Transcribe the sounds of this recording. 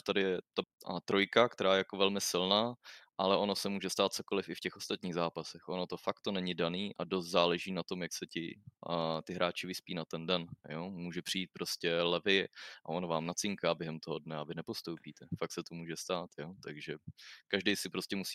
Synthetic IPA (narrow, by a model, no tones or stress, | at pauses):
t̪adɪjɛt̪at̪ɾojkakt̪ɛɾaːjɛjako̞vɛlmɪsɪlnaːʔalɛʔo̞no̞sɛmuːʒɛst̪aːt̪̚t͡so̞ko̞lɪfɪfcɛxʔost̪at̪ɲiːɣzaːpasɛxʔono̞t̪o̞fak̚t̪ːonɛɲɪdaniːʔadost̪zaːlɛʒiːnat̪o̞mjaksɛcɪ̰ | t̪ɪɦɾʔaːt͡ʃɪvɪspiːnat̪ɛndɛnjomuːʒɛpr̥ɪjiːt̪̚pɾoscɛlɛvɪʔa̰onovaːmnat͡sɪŋkaːbjɛɦɛmt̪oɦodnɛavɪnɛpo̞st̪owpiːt̪ɛfak̚tsɛt̪omuːʒɛst̪aːt̪jot̪aɡʒɛkaʒdɛjsɪpɾo̞scɛmusi